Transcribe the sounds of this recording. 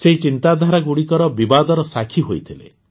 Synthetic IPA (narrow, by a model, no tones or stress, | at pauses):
seɦit͡ʃint̪ad̪ʱaɾaɡuɽikɔɾɔbibad̪ɔɾɔsakʰiɦojt̪ʰilḛ